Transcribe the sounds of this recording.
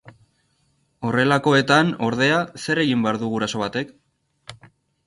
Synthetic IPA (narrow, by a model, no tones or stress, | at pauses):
o̞re̞lako̞e̞t̪ano̞ɾð̞e̞ase̞re̞ɣimbe̞aɾðuɣuɾaso̞β̞at̪e̞k